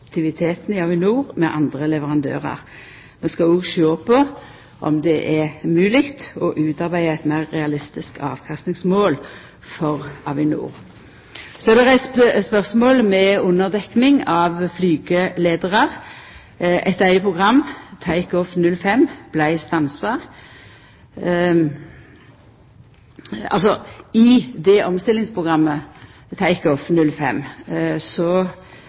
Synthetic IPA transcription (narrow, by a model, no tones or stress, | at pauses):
kt̪ʰɪʋɪt̪ʰeːt̪n̩ɪɑʋɪnuːʁmɛʔɑnd̪ʁəlɛʋəʁɑnd̪ø̰ːʁɑ̰ʁ | mɛnskɑoːɡʃoːpʰɔ | ʔɔ̰md̪ɛʔɛʁmʉːlɪkt̪ɔʔʉːt̪ɑʁbæɪəæɪt̪mæɪʁːɛɑlɪst̪ɪskɑ̰ːʋkʰɑst̪nɪŋsmoːl | fɔʁɑʋɪnṵːʁ | sɔɛd̪ɛʁæɪsspœʁsmoːlmɛʊnːəʁd̪ɛknɪŋɑʋflyːɡəleːd̪əʁɑʁ | ʔɛ̰t̪æɪəpʰʁʊɡʁɑmːt̪ʰæɪkɔfnʉlfɛmb̥læɪst̪ɑnsɑ | ɑ̰lsɔɪd̪ɛʔɔmst̪ɪlɪŋspʰʁʊɡʁɑmːə | t̪ʰæɪkɔfnʉlfɛ̰mːsɔ